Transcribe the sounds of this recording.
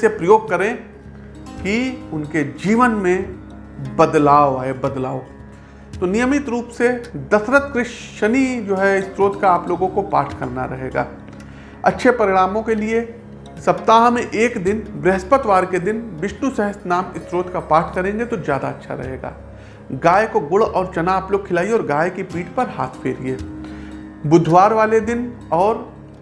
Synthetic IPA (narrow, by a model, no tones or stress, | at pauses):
epɾɐjoːɡ̚kɐɾẽ | kiʊnked͡ʒiːʋənmẽ | bɐd̪laːoaːebɐd̪laːo | t̪onijəmɪt̪ɾuːpsed̪ɐsɾət̪kɾɪʃ | ʃənid͡ʒoːɦɛɪst̪ɾoːt̪kaaːploːɡõkopa̰ːʈʰkɐ̰ɾna̰ɾɐɦeːɡa̰ː | ɐ̰tːʃʰepɐɾɪɽaːmõkelie | sɐpt̪aːɦmẽʔeːkd̪ɪnbɾɛɦspət̪ʋaːɾked̪ɪnʋɪʃnusɛɦəsnaːmɪst̪ɾoːt̪kapaːɾʈʰkɐɾẽːŋɡet̪ozjaːd̪aɐtːʃʰa̰ɾɐ̰ɦeːɡa̰ː | ɡaːjkoɡʊɭɔːɾt͡ʃɐnaːploːɡ̚kʰːɪlaːiɔːɾɡaːjkipiːʈpɐɾha̰ːt̪ʰfʰeːɾieː | bʊd̪ʱʋaːɾʋaːled̪ɪn | ɔːɾ